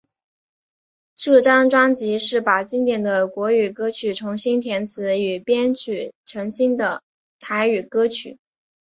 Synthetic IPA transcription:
ʈ͡ʂɤ˥˩ʈ͡ʂɑ˥ŋʈ͡ʂwɑ˥ŋt͡ɕi˧˥ʂɻ̩˥˩pa˨˩t͡ɕi˥ŋt̪jɛ˨˩nd̪ə˦kwɔ˧˥y˨˩kɤ˥t͡ɕʰy˨˩ʈ͡ʂʰʊ˧˥ŋɕi˥nt̪ʰjɛ˧˥nt͡sʰɹ̩˧˥y˨˩pjɛ˥nt͡ɕʰy˨˩ʈ͡ʂʰɤ˧˥ŋɕi˥nd̪ə˨˩ | t̪ʰa˧˥ɪy˨˩kɤ˥t͡ɕʰy̰˨˩˦

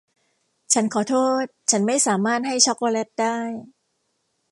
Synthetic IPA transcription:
t͡ɕʰa˦˥nkʰɔː˩˦t̪ʰoː˥˩t̪̚t͡ɕʰa˦˥nma˥˩jsaː˩˦maː˥˩t̪̚ha˥˩jt͡ɕʰɔ˦˥koː˧le˦˥t̚daː˥˩j

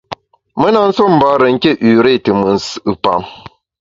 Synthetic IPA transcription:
mə˦na˦n̩˦so˦m̩˨ba˦ɾə˨ŋ̩˦ke˦ʔʉ˨ɾe˦˨tɨ˨mɨ˨n̩˦sɨ˨pa̰˨m

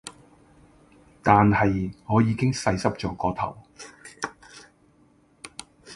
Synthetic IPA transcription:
t̪aː˨nhɐ˨jŋɔː˨˧jiː˨˧kɪ˥ŋsɐ˧jsɐ˥p̚t͡ʃɔː˨˧kɔː˨˧t̪ʰɐ˨˩w

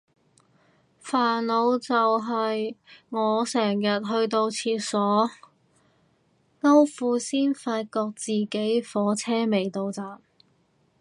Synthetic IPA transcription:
faː˨˩nlo˨˧wt͡sɐ˨wɦɐ˨jŋɔː˨˧sɛː˨˩ŋjɐ˨t̚ɦɵ˧ɥt̪o˧wt͡sʰiː˧t̚sɔː˨˥ | ŋɐ˥wfuː˨˧siː˥nfaː˧t̚kɔː˧k̚t͡siː˨ke˨˥jfɔː˨˥t͡sʰɛː˥me˨˩jt̪o˧wt͡saː˨m

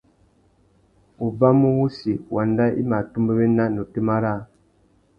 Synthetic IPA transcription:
u˨ba˦mu˦wu˦si˨wʔa˨nda˦ḭ˦ma˨tu˦mbə˦be˦na˦no˨te˦ma˦ɾa˦

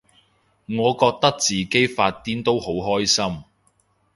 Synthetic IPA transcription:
ŋɔː˨˧kɔː˧k̚t̪ɐ˥k̚t͡siː˨ke˥jfaː˧t̚t̪iː˥nt̪o˥who˨˥wɦɔː˥jsɐ˥m

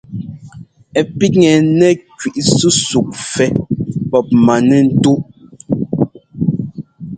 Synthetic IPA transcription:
ɛ˨pi˦ŋɛ˨nɛ˦kɥi˨ʔsu˦su˨k̚fɛ˨pɔ˦p̚ma˨nɛ˨n̩˦tu˦ʔ

